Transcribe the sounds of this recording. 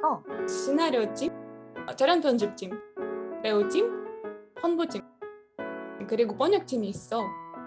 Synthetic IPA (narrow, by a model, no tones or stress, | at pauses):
ʌɕʰinaɾjʌt͡ɕit͡ɕaɾjʌntʌnd͡ʑɯp̚t͡ɕ͈imɾeud͡ʑimpʰʌnbot͡ɕi | kɯɾiɡop͈ʌɲʌk̚t͡ɕ͈imiːs͈ʌ